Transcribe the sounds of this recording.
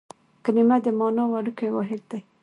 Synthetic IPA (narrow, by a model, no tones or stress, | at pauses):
kənimad̪əmɑnɑwaɽukajwɑ̰ɦɪd̪̚d̪aj